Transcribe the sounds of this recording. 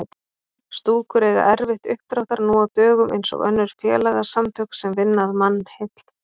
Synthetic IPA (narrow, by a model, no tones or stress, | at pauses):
st̪uːkʰʏɾeɣa̰ʔɛɾvɪht̪ʏhkt̪ɾawht̪aɾnuːawt̪œːɣʏmʔḛjnsɔ̰ɣœ̰nːʏɾ̥fjɛːlaɣasamt̪ʰœksɛmvɪnːaðmanːhejt̪l̥